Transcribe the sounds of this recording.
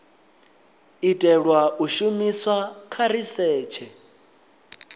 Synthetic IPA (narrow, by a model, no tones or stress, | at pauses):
itʼɛɺwaʔuʃumiswakʰaɾisɛːt͡ʃʰɛ